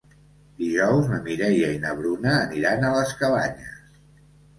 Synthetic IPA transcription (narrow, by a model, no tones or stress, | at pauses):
d̪iʒɔwzməmiɾɛjəinəβɾunəːniɾanələskəβaɲəs